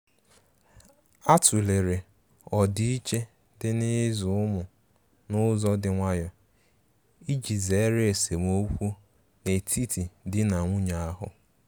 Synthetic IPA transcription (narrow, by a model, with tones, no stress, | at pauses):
a˦tu˨le˨ɾe˨ | ɔ˨di˦i˦t͡ʃe˦ | dɪ˦nɪ˦zʊ˨˦ʊ˦mʊ˨ | nʊ˦zɔ˦dɪ˦ŋʷa˦jɔ˦ | i˦d͡ʒi˨ze˨˦ɾe˦e˨se˨m˨o˦kʷu˦ | ne˨tʰi˦ti˨dɪ˦na˨ŋʷʊ˦ɲa˨a˦ɦʊ̰˨